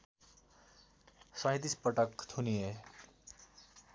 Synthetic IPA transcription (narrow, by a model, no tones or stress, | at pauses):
sʌ̃t̪̬ispʌʈʌkt̪ʰunije